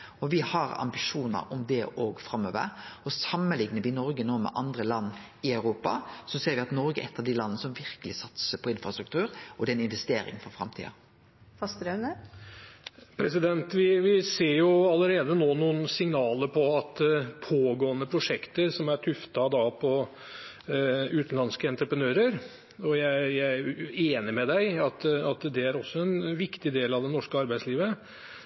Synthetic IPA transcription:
ɔʋɪhɑɾɑ̰mbɪʂuːnə̰ɾɔmd̪ɛʔoːɡfɾɑmːø̰ːʋə̰ɾɔsɑmːəlɪɡnəʋɪnɔɾɡənoːmɛ̰ʔɑnd̪ɾəlɑnːɪœʉɾuːpɑ̰sɔseːɾʋɪɑt̪nɔɾɡəʔɛt̪ːɑʋd̪ilɑnːəsɔmʋɪɾkəlɪsɑt̪səpʰɔɪnfɾɑst̪ɾʉkt̪ʉːɾʔɔd̪ɛnɪnʋɛst̪eːɾɪ̰ŋfɔɾfɾɑmt̪ʰḭːɑ̰ | fɑst̪ɾœnə | pʰɾɛsɪd̪ɛnt̪ʋɪʋɪseːɾjʊɑlːəɾeːd̪ənoːnuːn̩sɪŋnɑːləɾpʰɔɑt̪pʰoːɡoːənəpʰɾʊʂɛkt̪əɾsɔmæʈʰʉft̪ɑd̪ɑpʰɔ | ʉːt̪n̩lɑnskəɛnt̪ɾəpɾənøːɾəɾ | ɔjæɪjæɪeːnəɾmɛd̪æɪɑt̪ɑt̪d̪ɛæɾɔsːɔɛnʋɪkt̪ɪd̪eːlɑʋd̪ɛnɔʂkəɑɾbæɪsliːʋə

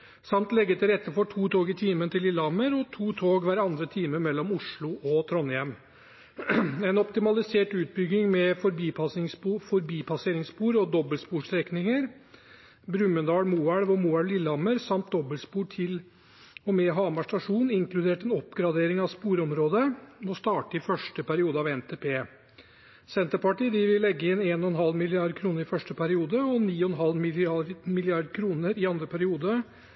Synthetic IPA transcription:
sɑmt̪lɛɡːət̪ɪlɾɛt̪ːəfɔʈʰuːt̪ʰoːɡɪt̪ʰiːmənt̪ɪlɪlːɑməɾɔt̪ʰuːt̪ʰoːɡʋæːɾɑnd̪ɾət̪ʰiːməɾmɛlːɔmʊʂɭʊʔɔt̪ʰɾɔnjɛm | ɛnɔpt̪ɪmɑlɪseːʈʉːt̪̚bʏɡnɪŋmɛfɔɾbiːpɑsɪsufɔɾbiːpʰɑseːɾɪŋspuːɾɔd̪ɔbəlspuːʂɾɛknɪŋəɾ | bɾʉmːənd̪ɑːɽmuːæɽʋɔmuːæɭlɪlːɑməɾsɑmt̪̚d̪ɔbəlspuːʈʰɪl | ɔmɛɦɑːmɑʂʈɑʂuːnɪŋklʉd̪eːʈɛnɔpːɡɾɑd̪eːɾɪŋɑʋspuːɾɔmɾoːd̪əmɔst̪ɑːʈəɪfœʂʈəpæɾɪuːd̪əɑʋɛnt̪ʰeːpʰeː | sɛnt̪əɾpɑʈiːd̪ɪʋɪlːɛɡːəɪnːeːnɔɛnɦɑlmɪlɪɑɾd̪kʰɾuːnəɾɪfœʂʈəpʰæɾɪuːd̪əɔniːɔɛnɦɑlmɪmɪlɪɑɾd̪kʰɾuːnəɾɪɑnd̪ɾəpʰæɾɪuːd̪ə

